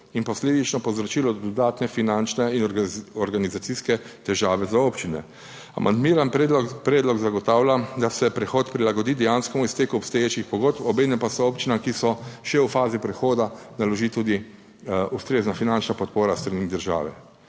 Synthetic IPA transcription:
inpɔsleːd̪it͡ʃnɔpɔzɾɔt͡ʃiːlɔd̪ɔd̪aːt̪nɛfinant͡ʃnɛinɔɾɡanizat̪siskɛt̪ɛʒaːʋɛzaoːpt͡ʃinɛ̰ | a̰mʔa̰nd̪miːɾanpɾɛːd̪lɔɡzaɡɔt̪aːwlad̪asɛpɾɛxoːt̪pɾilaɡɔd̪iːd̪ɛjaːnskɔmuist̪eːkuɔpst̪ɔjeːt͡ʃixpɔɡoːt̪pɔbeːnɛmpasɔoːpt͡ʃinamkisɔʃɛwfaːzipɾɛxoːd̪analɔʒit̪ud̪i | ust̪ɾeːznafinant͡ʃnapɔt̪̚poːɾast̪ɾanid̪əɾʒa̰ːʋɛ

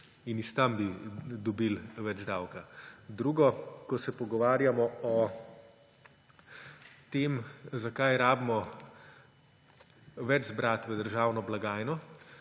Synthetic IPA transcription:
inist̪ambid̪ɔbilʋɛd͡ʒd̪awkad̪ɾuːɡɔkɔsɛpɔɡɔʋaːɾjamɔɔ | t̪eːmzakajɾaːbmɔ | ʋɛd͡ʒzbɾaːt̪ʋɛd̪əɾʒaːwnɔblaɡaːjnɔ

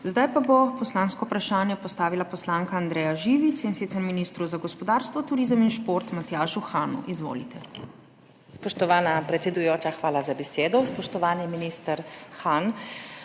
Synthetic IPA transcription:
zd̪ajpabopɔslaːnskɔupɾaʃaːnjɛpɔst̪aːʋilapɔslaːŋkaːnd̪ɾɛːjaʒiːʋit̪sinsit̪sɛɾminist̪ɾuzaɡɔspɔd̪aːɾst̪ʋɔt̪uɾiːzəminʃpoɾt̪mat̪jaːʃuxaːnṵʔizʋo̰ːlit̪ɛ | spɔʃt̪ɔʋaːnapɾɛt̪sɛd̪ujoːt͡ʃaxʋaːlazabɛseːd̪ɔspɔʃt̪ɔʋaːniminist̪əɾxan

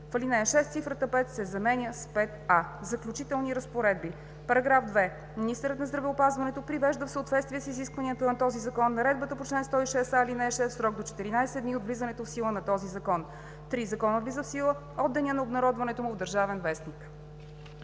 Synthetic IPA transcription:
fəlinɛəʃɛst̪sifɾət̪əpɛt̪sɛzɐmɛnʲjəspɛt̪azɐklʲut͡ʃit̪ɛlˠniɾəspoɾɛd̪̚bi | pɐɾɐɡɾafd̪vɛ | minist̪əɾət̪nɐzd̪ɾɐvɛopazvɐnɛt̪opɾivɛʒd̪əfsəot̪vɛt̪st̪viɛsiziskvɐnijət̪ənɐt̪ɔzizɐkɔnːɐɾɛd̪̚bət̪əpot͡ʃlɛnst̪ɔiʃɛsalinɛʃɛst̪sɾɔɡd̪ot͡ʃɛ̥t̪iɾinajsɛd̪niod̪vlizənɛt̪ofsilˠənɐt̪ɔzizɐkɔn | t̪ɾizɐkɔnəvlizəfsilˠə | ɔd̪ːɛniənɐobnɐɾɔd̪vɐnɛt̪omʊvd̪əɾʒavɛnvɛsnik

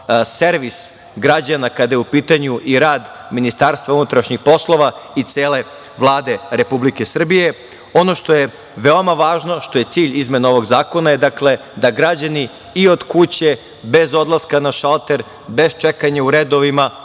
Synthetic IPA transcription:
seɾʋis | ɡɾad͡ʑanakad̪ajeupiːt̪aɲuʔiɾaːd̪minist̪aːɾst̪vʋaunut̪ɾaʃɲixpo̞slˠo̞ʋait̪seːle̞ | ʋlˠaːd̪e̞ɾe̞publike̞sr̩bije̞ | o̞no̞ʃt̪o̞je | ʋeo̞maʋaːʒno̞ʃt̪o̞je̞t̪siːʎizme̞nao̞ʋo̞ɡzaːko̞naje̞d̪akle̞d̪aɡɾad͡ʑani | io̞d̪kut͡ɕe̞ | be̞zo̞d̪lˠaskanaʃalˠt̪e̞ɾ | be̞zt͡ʃekaɲauɾed̪o̞ʋima

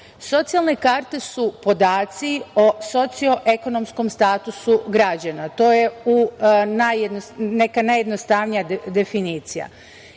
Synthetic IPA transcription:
so̞t̪sijalˠne̞kaːɾt̪e̞supo̞d̪aːt̪sioso̞t̪sio̞ʔe̞ko̞no̞msko̞mst̪aːt̪usuɡɾad͡ʑanat̪o̞ːje̞unajed̪onekanajed̪nost̪aʋnijad̪e̞finiːt̪sija̰

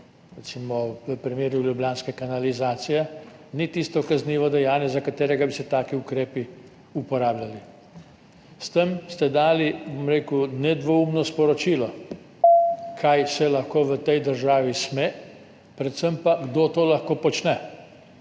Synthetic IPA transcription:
ɾɛt̪siːmɔʋəpɾimeːɾjuljublʲjaːnskɛkanalizaːt̪sijɛnit̪ist̪ɔkazniːʋɔd̪ɛjaːnjɛzakat̪eːɾɛɡabisɛt̪aːkiukɾeːpi | upɔɾaːblʲjali | st̪əmst̪ɛd̪aːlibomɾeːkunɛd̪ʋɔumnɔspɔɾɔt͡ʃilɔ | kʰajsɛlɐxkoːʋət̪ɛjd̪əɾʒaːʋismɛ | pɾɛt̪səmpaɡd̪oːt̪oːlaxkoːpɔt͡ʃnɛ

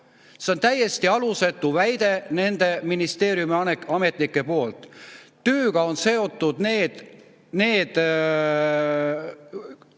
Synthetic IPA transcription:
se̞o̞nt̪æjːe̞st̪iɑluse̞t̪ːˑuvæjd̪̥e̞ne̞nd̪̥e̞minist̪e̞ːɾjumiɑneɑme̞t̪ˑnikːe̞po̞ːlt̪ː | øːɡ̥ɑo̞nse̞o̞t̪ːˑud̪̥neːd̪̥ | ne̞ːd̪̥

